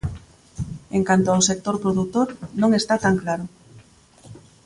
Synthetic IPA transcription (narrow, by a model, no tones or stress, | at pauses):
eŋkant̪oawsek̚t̪oɾpɾoðut̪oɾnõŋest̪at̪aŋklaɾʊ